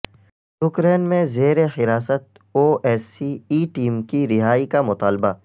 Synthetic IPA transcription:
jʊkɾeːnmẽzeːɾexɪɾaːsət̪̚ | oːʔɛːsiiːʈiːmkiɾɪɦaːikamʊt̪aːlba

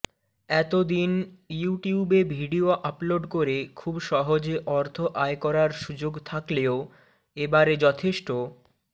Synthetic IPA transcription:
ɛt̪od̪injuʈiubebʱiɖioʔaploɖkoɾekʰubʃɔɦod͡ʑeʔɔɾt̪ʰoʔaekɔɾaɾʃud͡ʑoɡt̪ʰakleo | ebaɾed͡ʑɔt̪ʰeʃʈo

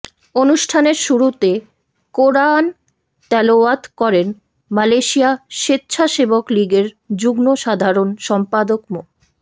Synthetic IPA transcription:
onuʃʈʰaneɾʃuɾut̪e | koɾan | t̪ɛloat̪kɔɾen | malejʃiaʃet̪ːɕʰaʃebokliɡeɾ | d͡ʑuɡnoʃad̪ʱaɾonʃɔmpad̪okmo

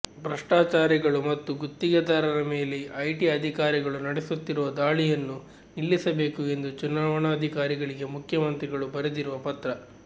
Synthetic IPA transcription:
bɾɐʂʈaːt͡ʃaːɾiɡɐɭumɐt̪ːuɡut̪ːiɡɐd̪aːɾɐɾɐme̞ːleɐjʈiɐd̪ʱikaːɾiɡɐɭunɐɽesut̪ːiɾuʋɐd̪aːɭijɐnːu | nilːisɐbe̞ːkue̞nd̪ut͡ʃunaːʋɐɳɐːd̪ʱikaːɾiɡɐɭiɡe̞mukʰjɐmɐnt̪ɾiɡɐɭubɐɾed̪iɾuʋɐpɐt̪ɾɐ

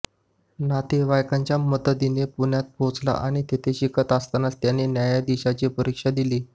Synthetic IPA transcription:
nat̪eʋajkãɲt͡ɕjamət̪əd̪inepunjat̪̚bʱõt͡sla̰ʔaɽ̃it̪et̪ʰeɕikʰət̪ast̪anast̪janenjajad̪iɕat͡ɕipəɾikʂad̪iliː

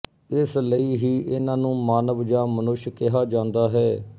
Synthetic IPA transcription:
ɪsləiːɦiːʔɪnãːnũːmaːnəʋd͡ʒãːmənʊʃkɪɦaːd͡ʒãːnd̪aːɦɛː

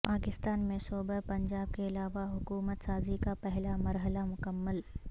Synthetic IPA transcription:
paːkɪst̪aːnmẽsoːbəpɐ̃ɲd͡ʒaːb̚keɐlaːʋaɦʊkuːmət̪saːzikapɛɦlamɐɾɦəlamʊkəmːəl

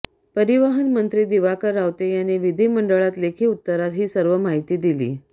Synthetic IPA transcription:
pəɾiʋaɦənmənt̪ɾiːd̪iʋakəɾːawt̪ejaneʋid̪ʱiːməɳɖəɭat̪lekʰiːut̪ːəɾat̪ɦiːsəɾʋəmaɦit̪iːd̪ilḭː

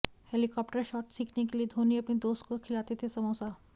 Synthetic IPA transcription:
heːlikɔːpʈəɾʃɔːʈsiːkʰnekelied̪ʱoːniɐpnid̪oːst̪̚kokʰɪlaːt̪et̪ʰesɐmoːsaː

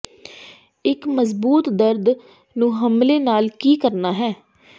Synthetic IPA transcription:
ɪkməzbuːt̪d̪əɾd̪ | nũːɦəmleːnaːlkiːkəɾnaːɦɛː

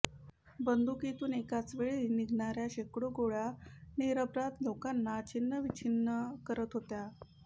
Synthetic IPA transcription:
bənd̪ukit̪uːnekat͡sʋeɭiniɡʱɳaɾjaɕekɽoɡoɭaniɾəbɾat̪lokanːat͡ɕinːəʋit͡ɕʰinːəkəɾət̪ɦot̪ja

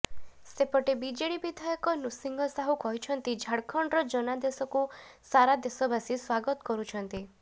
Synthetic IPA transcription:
sepɔʈebid͡ʒeɽibid̪ʱɔjɔkɔnusiŋɡɔsaɦukɔɦit͡ʃʰɔnt̪id͡ʒʱaɽkʰɔɳɖɾɔd͡ʒɔnad̪esɔku | saɾad̪esɔbasiswaɡɔt̪ɔ̥kɔɾut͡ʃʰɔnt̪i

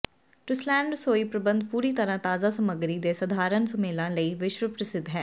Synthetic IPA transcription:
ʈɪslɛ̃ːɳɖsoːiːpɾəbənd̪̚puːɾiːt̪əɾãːt̪aːzaːsəməɡɾiːd̪eːsəd̪ʱaːɾənsʊmeːlãːləiːʋɪʃwəpɾəsɪd̪ɦɛː

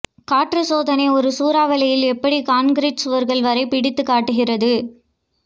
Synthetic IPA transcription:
kaːʈrɯsoːðɐnɐɪɔɾɯsuːɾaːʋɐlɐjɪlɛpːɐɽikaːnɡɪɾiːʈsɯʋɐɾɣɐɭʋɐɾɐɪpɪɽɪt̪ːɯkːaːʈːɯɣɪrɐðɯ

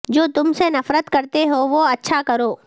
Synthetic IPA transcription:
d͡ʒoːt̪ʊmsenɐfɾət̪kɐɾt̪eɦoʋoɐtːʃʰakɐɾoː

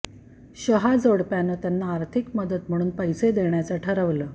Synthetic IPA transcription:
ɕəɦad͡zoɽpjanəːt̪janːaːɾt̪ʰikməd̪ət̪m̤əɽ̃uːnpəjsed̪eɳjat͡saʈʰəɾəʋləː

